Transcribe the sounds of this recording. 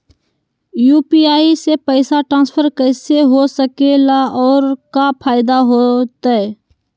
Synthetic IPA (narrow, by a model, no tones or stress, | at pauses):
juːpiaːisepɛːsaʈɾãːnspʰəɾkɛːseɦosəkelaɔːɾkapʰaːjɪd̪aɦot̪aɦɛː